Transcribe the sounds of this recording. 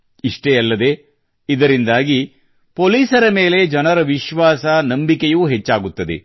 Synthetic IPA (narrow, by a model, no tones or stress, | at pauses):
iʂʈejɐlːɐd̪e̞ | id̪ɐɾind̪aːɡi | poːliːsɐɾɐme̞ːle̞d͡ʒɐnɐɾɐʋiʃʋaːsɐnɐmbikejuːɦet͡ʃːaːɡut̪ːɐd̪ḛ